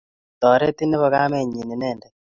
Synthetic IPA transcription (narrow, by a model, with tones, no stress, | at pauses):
t̪ɔ˨ɾe˦t̪i˦ne˦βɔ˨ɣa˦mɛ˦˨ɲi˨ni˨nɛː˦˨ndɛ˨